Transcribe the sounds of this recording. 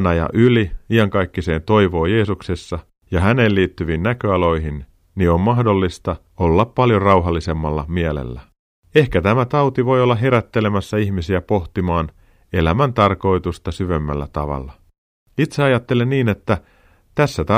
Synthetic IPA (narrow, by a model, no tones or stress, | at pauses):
nɑjɑ̰ʔyliiɑŋkɑjkːise̞ːnt̪o̞jʋo̞ːje̞ːsukse̞sːɑ | jɑɦæne̞lliːt̪ːyʋiːnnækøɑlo̞jɦin | niommɑhdo̞lːist̪ɑ | o̞lːɑppɑljorɑwɦɑlːise̞mːɑlːɑ̰miælḛlːæ̰ | e̞hkæt̪æmæt̪ɑwt̪iʋo̞jolːɑɦe̞ɾæt̪ːe̞le̞mæsːæiçmisiæpo̞ht̪imɑːn | elæmænt̪ɑrko̞it̪ust̪ɑsyʋe̞mːæ̰lːæ̰t̪ɑ̰ʋɑ̰lːɑ | it̪seɑjɑt̪ːe̞lenniːnet̪ːæ | t̪æsːæt̪ɑ